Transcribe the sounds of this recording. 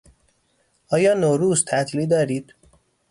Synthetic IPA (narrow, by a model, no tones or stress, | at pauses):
ʔɒːjɒːnoːɾuːzt̪ʰæt̪ʰliːd̪ɒːɾiːd̪̥